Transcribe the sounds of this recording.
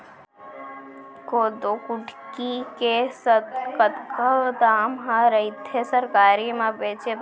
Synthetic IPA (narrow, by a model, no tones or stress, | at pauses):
kod̪okʊʈkikesət̪kət̪kəd̪aːmɦãɾəit̪ʰesəɾkaːɾimãbeːt͡ʃe